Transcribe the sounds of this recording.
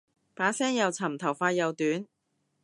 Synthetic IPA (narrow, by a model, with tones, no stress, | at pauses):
paː˨˥sɛː˥ŋjɐ˨wt͡sʰɐ˨˩mt̪ʰɐ˨˩wfaː˧jɐ˨wt̪yː˨˥n